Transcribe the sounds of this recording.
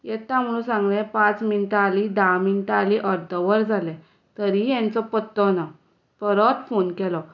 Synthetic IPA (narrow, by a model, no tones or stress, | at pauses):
jɛt̪am̤əɽũsãŋɡlɛ̃pãt͡sminʈ̪aːlid̪aminʈ̪aaliʔəɾd̪ʱəʋəɾd͡zʱalɛ | t̪əɾijɛ̃nt͡sɔpət̪ːɔna | pəɾɔt̪fonkɛlɔ